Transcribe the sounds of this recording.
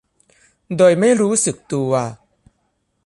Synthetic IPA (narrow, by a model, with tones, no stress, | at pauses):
doː˧jma˥˩jɾuː˦˥sɯ˨˩k̚t̪uː˧a˧